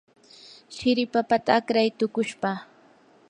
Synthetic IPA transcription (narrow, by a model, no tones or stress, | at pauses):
ʃɪɾɪpapat̪aːkɾajt̪ʊkʊʃpaː